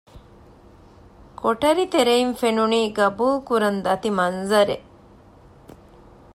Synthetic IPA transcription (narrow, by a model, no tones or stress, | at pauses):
kʰoʈɐɾit̪eɾeinfenuniːɡɐbuːlkuɾɐnd̪ɐt̪imɐnzɐɾḛ